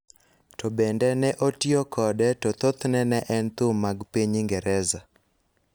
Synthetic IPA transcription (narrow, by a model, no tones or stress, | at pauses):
tɔbɛndɛnɛʔotiokʰɔdɛtot̪ot̪nɛnɛʔɛnt̪ʊmːaɡpiɲiŋɡɛɾɛza